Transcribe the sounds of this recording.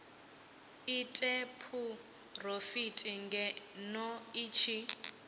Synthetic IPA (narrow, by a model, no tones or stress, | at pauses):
itʼepʰu | r̤ofitʼiŋɡɛnɔit͡ʃʰi